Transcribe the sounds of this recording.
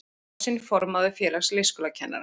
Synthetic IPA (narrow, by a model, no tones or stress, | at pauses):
sɪnfɔɾmaðʏfjɛːlaxslɪskʏlacʰɛnːa̰ɾa